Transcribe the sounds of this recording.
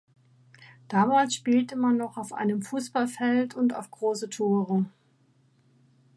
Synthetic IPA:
d̥aːmaːlsʃpiːltəmanːɔχaʊfʔa̰ɪnəmfuːsb̥alfɛltʊnta̰ʊfɡ̥ʁoːsətʰoːʁə

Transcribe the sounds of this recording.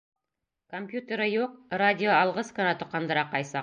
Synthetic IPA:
ko̞mpʲjut̪ʲeɾəjoq̚radʲioɑlˠʁəskanɑt̪oqːɑnd̪əɾɑqːɑjsɑq

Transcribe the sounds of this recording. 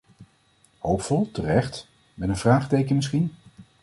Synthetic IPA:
howpfɔlˠtərɛχt | mɛnənv̥raːχtejkənmɪs̬χin

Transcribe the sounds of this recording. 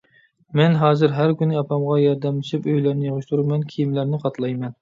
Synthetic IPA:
mɛnɦɑːzɨɾɦæɾkʲynːɪɑpʰɑmʁɑjɑɾd̪ɛmlɨʃipøjlæɾnɪjɨʁɨʃt̪ʰuɾumɛnkʲʰijimlæɾnɪqʰɑt̪ʰlˠɑjmɛn

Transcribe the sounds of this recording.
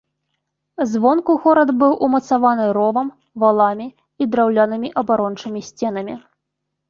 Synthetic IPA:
zvɔnkuɣɔɾɐd̪bɨwʔumɐt̪savanɨɾɔvɐm | valˠamʲi | id̪ɾawlʲanɨmʲiʔɐbaɾɔnt͡ʂɨmʲisʲt͡sʲɛnɐmʲi

